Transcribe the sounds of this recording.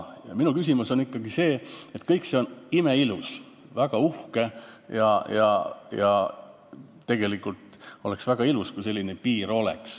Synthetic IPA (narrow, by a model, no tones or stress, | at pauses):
jɑ̰minukys̬ʲimuso̞nikːɑɡ̥ise̞ːet̪ːkɤjkse̞o̞nimeilus | væɡ̥ɑuhke̞jɑjɑ̰jɑ | e̞ɡe̞likːˑult̪o̞le̞ksvæɡ̥ɑiluskujse̞lʲːine̞piːɾo̞le̞̰ks